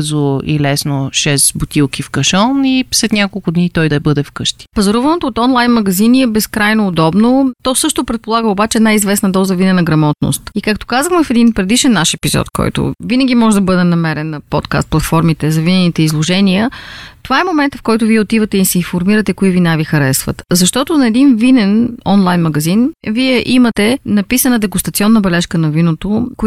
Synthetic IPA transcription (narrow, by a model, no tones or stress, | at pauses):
zoḭlɛsnoʃɛsbʊt̪ʲilˠkifkɐʃɔnislɛt̪nʲakolˠkʊd̪nit̪ɔjd̪ɐɛbɤd̪ɛfkɤʃt̪i̥pɐzɐɾɔvɐnot̪oːt̪ɔnlˠajnmɐɡɐziniɛbɛskɾajnoːd̪ɔbnot̪ɔsɤʃt̪opɾɛt̪̚polˠaɡəobat͡ʃɛd̪najizvɛsnɐd̪ɔzɐvinɛnɐɡɾɐmɔt̪no̰st̪ikak̚t̪o̥kazəxmɛfɛd̪inpɾɛd̪iʃɛnːaʃɛpizɔ̰t̪kɔ̰jt̪o̰vinəɡ̟ʲimɔʒɛd̪ɐbɤd̪ɛnɐmɛɾɛnːɐpɔ̰t̪ka̰st̪̚plˠɐt̪fɔɾmit̪ɛzɐvinɛnit̪ɛizlˠoʒɛniət̪ovaɛmomɛnt̪əfkɔjt̪ʊviɛot̪ivət̪ɛisɛifoɾmiɾət̪ɛkoivinavixɐɾɛsvə̰t̪zɐʃt̪ɔt̪ʊnɐɛd̪invinɛnɔnlˠajnmɐɡɐzinviɛʔimɐt̪ɛnɐpisənəd̪ɛɡʊst̪ɐt̪siɔnːəbɛlɛʃkənɐvinot̪ok